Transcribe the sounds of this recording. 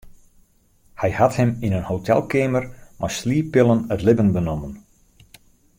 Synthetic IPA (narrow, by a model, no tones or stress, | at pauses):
hɛjhathəminənhowtʰɛ̰lˠkeːmərmʔasliːpɪlˠənətlɪbənbənomən